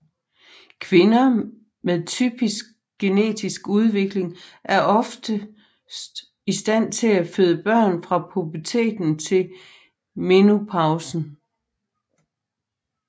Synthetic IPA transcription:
kʰʋe̝nɐ | meðˠt͡sʰy̰ːb̥isɡ̥̚ | ɡ̥e̝ne̝̰ːd̥isɡ̥uð̞ˠʋe̝ɡ̥le̝ŋʔæɐʔɒ̽fd̥ə | isd̥æn̰t͡sʰe̝læføðˠəb̥ɶɐ̰nfʁɑ̈pʰʁupʰɐt͡sʰe̝̰ːd̥n̩t͡sʰe̝l | me̝nupʰɑ̈ʊsn̩

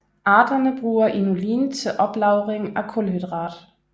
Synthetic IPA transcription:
ʔɑːd̥ɐnəb̥ʁuːɐʔinuliːnt͡sʰe̝lʔɒ̽b̥lɑ̈ʊʁeŋækʰɔlhyd̥ʁɑːd̥

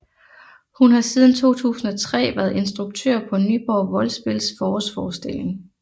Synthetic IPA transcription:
hunhɑ̈siːð̞ˠn̩t͡sʰo̝̰ːt͡sʰṵːsn̩ɒ̽t͡sʰʁɛ̰ːʋæːɐð̩ˠe̝nsd̥ʁuɡ̥̚t͡sʰøɐ̰pʰɒ̽nyːb̥ɒʊʋɒ̽lsb̥e̝lsfɒːɒsfɒːsd̥ele̝ŋ

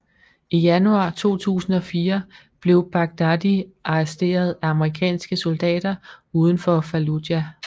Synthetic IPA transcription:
ijænuɑ̰̈ːt͡sʰo̝̰ːt͡sʰṵːsn̩ɒ̽fiːɐ | b̥le̝ʊb̥ɑ̈ɡ̥̚d̥æd̥iʔɑ̈ɛsd̥e̝̰ːɐð̞ˠæɑ̈məʁikʰɛ̰ːnsɡ̥əsɔld̥ɛ̰ːd̥ɐuːð̞ˠən̩fɒfæludjæ

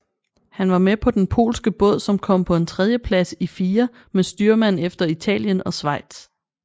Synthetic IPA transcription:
hænʋɑ̈mepʰɒ̽d̥enpʰo̝̰ːlsɡ̥əb̥ɔ̽ð̞̰ˠsɒ̽mkʰɒ̽m̰pʰɒ̽e̝nt͡sʰʁɛð̞ˠjəpʰlæsifiːɐ | mesd̥yːɐmæn̰efd̥ɐit͡sʰɛ̰ːljənɒ̽sʋɑ̈ɪ̰d̥s

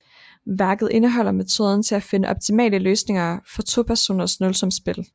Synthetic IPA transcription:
ʋæɐɡ̥ð̞̩ˠe̝nəɦɒ̽l̰ɐme̝t͡sʰo̝ːð̞ˠn̩t͡sʰe̝æfe̝nəʔɒ̽b̥̚t͡sʰimɛ̰ːləløːsne̝ŋɐfɒ̽t͡sʰo̝̰ːpʰæɐso̝̰ːnɐsnɔ̽lsɒ̽msb̥e̝l

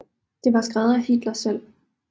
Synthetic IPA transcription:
d̥e̝ʋɑ̈sɡ̥ʁaðˠæhid̥lɐsel̰

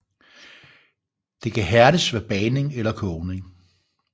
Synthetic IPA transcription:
d̥e̝kʰæɦæɐɾəsʋæb̥ɛːne̝ŋelɐkʰɔʊne̝ŋ

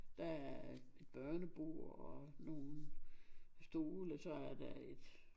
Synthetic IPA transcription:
d̥ææɐe̝d̥̚b̥ɶɐnəb̥o̝ɐ̰ɒno̝ːnn | sd̥o̝ːləsɒ̽æɐd̥æed̥

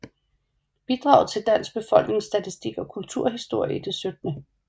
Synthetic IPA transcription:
b̥id̥ʁɑ̈ʊð̩ˠt͡sʰe̝ld̥æn̰sɡ̥̚b̥e̝fɒ̽l̰ɡ̥ne̝ŋsd̥æt͡sʰisd̥iɡ̥ɒ̽kʰult͡sʰuɐ̰ɦisd̥o̝ɐ̰jiəd̥e̝sød̥nə

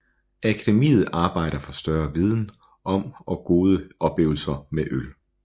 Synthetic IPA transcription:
ækʰæd̥e̝mḭːð̞̩ˠɑ̈ːb̥ɑ̈ɪ̰ɾ̥ɐfɒ̽sd̥ɶɐʋið̞ˠn̩ | ʔɒ̽mɒ̽ɡ̥o̝ːð̞ˠəʔɒ̽b̥le̝̰ːʊl̩sɐmeʔøl

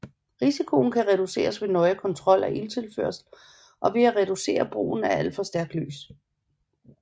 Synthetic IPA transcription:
ʁisikʰo̝n̩kʰæʁɛd̥use̝̰ːɐsʋe̝nɒ̽ɪkʰɒ̽nt͡sʰʁɒ̽l̰æʔilt͡sʰe̝lfø̰ɐsl̩ | ʔɒ̽ʋe̝æʁɛd̥use̝̰ːɐb̥ʁṵːn̩æɐæl̰d̥fɒ̽sd̥æɐɡ̥d̥ly̰ːs

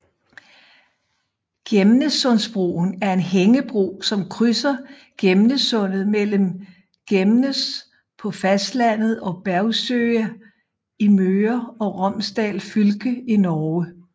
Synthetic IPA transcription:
ɡ̥emnəsɔ̽nsb̥ʁo̰ːn̩æɐe̝nɦeŋəb̥ʁo̰ːsɒ̽mkʰʁysɐ | ɡ̥emnəsɔ̽n̰ð̩ˠmel̰m | ɡ̥emnəs | pʰɒ̽fæsd̥læn̰ð̞̩ˠɒ̽b̥æɐʊsøɐ | imøːɐɒ̽ʁɒm̰sd̥ɛ̰ːlfylɡ̥əinɒːə

